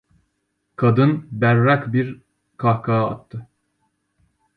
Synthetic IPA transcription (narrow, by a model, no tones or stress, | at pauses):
kʰad̪ɯnbæɾːakbiɾ | kʰahkʰaa̰t̪ʰːɯ